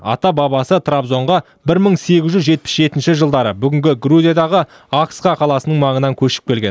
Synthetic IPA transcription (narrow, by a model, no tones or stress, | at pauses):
ɑ̰t̪ɑbɑbɑsət̪ʰrabzo̞ɴʁɑ | bɪɾməɴse̞ɡʲɪzʒʏzʒe̞t̪̚pɪ̥sʒe̞t̪ɪnʃɪʒəlˠd̪ɑɾəbʏɡʲɪŋɡʲɪɡruzʲijad̪ɑʁə | aksqɑqʰɑlˠɑsənəɴmɑɴənɑŋkʲʰɵʃɪ̥p̚kʲe̞lɡʲen